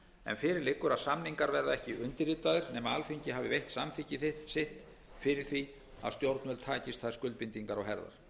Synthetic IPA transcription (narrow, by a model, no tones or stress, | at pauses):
ɛ̰nfɪːɾɪɾlɪkːʏɾasamniŋkaɾvɛɾðaɛhcɪʔʏnt̪ɪɾit̪aðɪɾnɛːmaalfiɲcɪɦaːvɪvejht̪samθicɪθɪsɪht̪ | fɪɾɪɾ̥θvi | a̰ðst̪jowɾt̪nmɛlt̪ʰaːcɪst̪θað̥skʏl̚pɪnt̪iŋkaɾawɦɛɾða̰ɾ̥